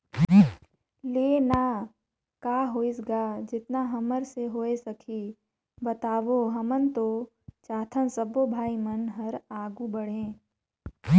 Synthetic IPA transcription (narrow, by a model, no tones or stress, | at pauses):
leːnaː | kaːɦoːɪs̬ɡaːd͡ʒɪt̪naɦɐməɾseɦoːesɐkʰiː | bɐt̪aːʋoɦɐmənt̪oː | t͡ʃaːt̪ʰənsəbobʱaːimənɦɐɾaːɡubəɽ̤ẽː